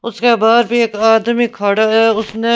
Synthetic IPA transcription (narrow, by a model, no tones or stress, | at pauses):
ʊskebaːd̪bʱieːkaːd̪mikʰaːɽaɦɛːʊsnẽː